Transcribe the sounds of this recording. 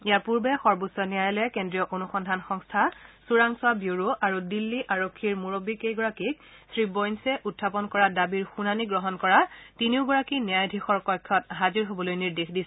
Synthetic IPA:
ejapuɹbɛxɔɹbusɔnijajɔlɛkendɹijɔʔonuxɔndʱanxɔŋstʰasuɹaŋswabjoɹoʔaɹudilːiʔaɹokʰːiɹmuɹobikejɡɔɹakik̚ | sɹibɔjnsɛʔutʰːapɔnkɔɹadabiɹxunaniɡɹɔɦɔnkɔɹatiniʊɡɔɹakinɛjajdʱixɔɹkɔjkʰːɔtɦaziɹɦobɔlojniɹdexdisɛ

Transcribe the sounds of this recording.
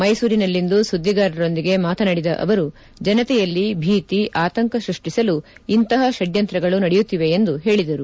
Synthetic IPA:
mɐjsuːɾinɐlːind̪usud̪ʱːiɡaːɾɐɾo̞nd̪iɡe̞maːt̪ʰɐnɐɽid̪ɐʔɐ̰ʋɐɾu | d͡ʒɐnɐt̪ɛjɐlːibʱiːt̪iʔaːt̪ɐŋkɐsɾuʂʈisɐluint̪ɐɦɐʃɐɖjɐnt̪ɾɐɡɐɭunɐɽɛjut̪ːiʋe̞ːnd̪uɦe̞ːɭid̪ɐɾu

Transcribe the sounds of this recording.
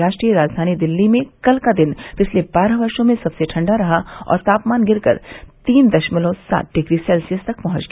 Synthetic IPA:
ɾaːʃʈɾijəɾaːd͡ʒd̪ʱaːnid̪ɪlːimẽkɐlkad̪ɪnpɪt͡ʃʰlebaːɾəɦʋɐɾʃõmẽsɐbseʈʰɐ̃ɳɖaɾɐɦaɔ̰ːɾt̪aːpmaːnɡɪɾkɐ̰ɾt̪iːnd̪ɐʃməlõsa̰ːt̪̚ɖɪɡɾisɛːlsijəst̪ɐk̚pɐɦʊ̃t͡ʃɡ

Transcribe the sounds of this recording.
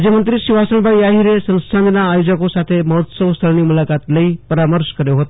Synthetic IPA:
d͡ʑemənt̪ɾiʃiʋasəɳbʱaiaɦiɾesə̃nsʰand̪naːjod͡ʒəkosat̪ʰeməɦot̪səʋst̪ʰəlnimulakat̪ləipəɾaməɾʃkəɾjoɦət̪o

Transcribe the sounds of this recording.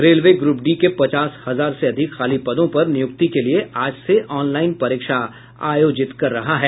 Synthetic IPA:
ɾeːlʋeɡɾuːpɖiːkepɐt͡ʃaːshɐzaːɾseɐd̪ʱɪkxaːlipɐd̪õpɐɾnɪjʊk̚t̪ikelieaːd͡ʒseʔɔːnlaːɪnpɐɾɪːkʃa | aːjoːd͡ʒɪt̪kɐɾːɐɦaɦɛː

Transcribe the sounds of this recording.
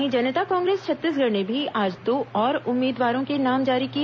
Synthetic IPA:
ɦĩd͡ʒɐnət̪akɔ̃ːŋɡɾeːst͡ʃʰɐt̪ːisɡʱɐɽnebʱiaːd͡ʒd̪oːɔːɾʊmːiːd̪ʋaːɾõkenaːmd͡ʒaːɾiki

